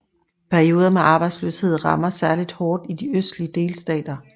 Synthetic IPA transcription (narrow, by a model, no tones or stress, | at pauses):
pʰæɐio̝ːðˠɐmeʔɑ̈ːb̥ɑ̈ɪd̥slø̰she̝ð̰ˠʁɑ̈mɐsæɐlid̥hɒːd̥id̥iøsd̥liəd̥e̝ːlsd̥ɛ̰ːd̥ɐ